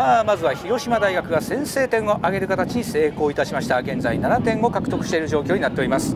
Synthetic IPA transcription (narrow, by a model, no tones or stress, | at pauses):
amazɨβaçiɾo̞ɕimad̪aiɡakɯ̟ɡasẽ̞ɰ̃se̞ːt̪ẽ̞ŋo̞ʔaɡe̞ɾɯ̟kat̪at͡ɕiɲ̟ise̞ːko̞ːit̪aɕimaɕi̥t̪aɡẽ̞nd͡za̰inanat̪ẽ̞ŋo̞kakɯ̟t̪o̞kɯ̟ɕi̥t̪e̞ɾɯʑo̞ːkʲoːɲinat̪ːe̞o̞ɾʲimasɨ̥